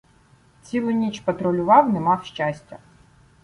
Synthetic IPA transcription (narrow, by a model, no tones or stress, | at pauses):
t͡sʲilˠʊnʲit͡ʃpɐt̪ɾɔlʲʊʋɑwnɛmɑwʃt͡ʃasʲtʲɐ